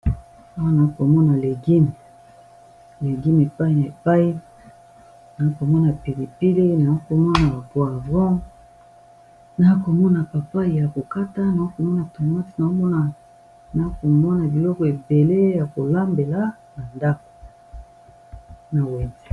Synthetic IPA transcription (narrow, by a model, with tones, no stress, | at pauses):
a˦wa˦na˨˦ko˨mɔ˦na˨le˨ɡi˦n˨ | le˨ɡi˦n˨e˨pa˦i˦na˨e˨pa˦i˦ | na˨˦ko˨mɔ˦na˨pi˨ʁi˨pi˦le˦na˨o˦ko˨mɔ˦na˨ba˨po˨a˨vʁɔ̃˦ | na˨˦ko˨mɔ˦na˨pa˨pa˦i˨ja˨ko˨ka˦ta˦na˨a˦ko˨mɔ˦na˨to˨ma˦ti˨na˨o˦mɔ˦na˨ | na˨˦ko˨mɔ˦na˨bi˨lɔ˦kɔ˨e˨be˨le˦ja˨ko˨la˦mbe˨la˦ | na˨nda˦ko̥˨ | na˨we˨zi˨